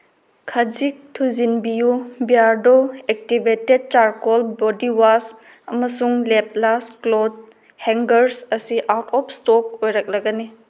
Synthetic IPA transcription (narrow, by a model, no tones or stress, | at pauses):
kʰɐd͡ʒik̚tʰuzinbijubijaɾdoek̚tibʱeted̚t͡ʃaɾkɔlbɔdiwas | ɐmɐsuŋlep̚lasklod | heŋɡɐɾsɐsiʔawtʰɔp̚ʰstɔk̚ojɾɐk̚lɐɡɐni